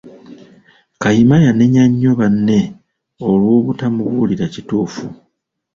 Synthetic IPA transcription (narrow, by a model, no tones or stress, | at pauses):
kajimajane̞ɲaɲːo̞βanːe̞ | o̞lwo̞ːβutamuβuliɾacituːfu